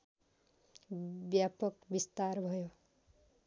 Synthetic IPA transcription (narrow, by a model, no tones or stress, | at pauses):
bjapʌkbist̪aɾbʱʌjo